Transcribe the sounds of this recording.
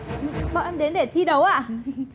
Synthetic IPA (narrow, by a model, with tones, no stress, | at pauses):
ɓə̰˧˨ʔɛ˧mɗe˨˦nɗe˧˩t̪ʰi˧ɗə˨˦wʔa̰ː˧˨